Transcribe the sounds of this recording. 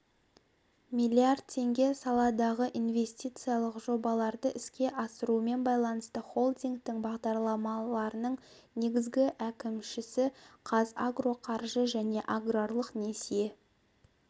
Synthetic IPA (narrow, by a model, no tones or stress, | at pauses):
mʲijlʲiard̪̚t̪ʰe̞ŋɡʲe̞sɑlˠɑd̪ɑʁəʔinve̞st̪ʲit̪sɨijɑlˠəqʒo̞bɑlˠɑɾd̪əʔɪskʲe̞ʔɑsəɾuəme̞nbɑjlˠɑnəst̪əχo̞lˠd̪ʲiŋɡ̚t̪ɪŋbɑʁd̪ɑɾlˠɑmɑlˠɑɾənəɴ | ne̞ɡʲɪzɡʲɪʔækʲɪmʃɪsɪqʰɑzaɡro̞qʰɑɾʒəʒæne̞ʔaɡrorlˠəqnesije̞